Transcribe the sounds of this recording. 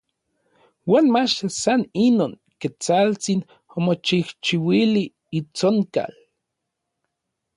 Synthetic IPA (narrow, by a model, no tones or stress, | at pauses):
waːnmat͡ʃasaninoːŋ | ket͡salt͡sin | omot͡ʃiht͡ʃiwiliː | t͡soŋka̰l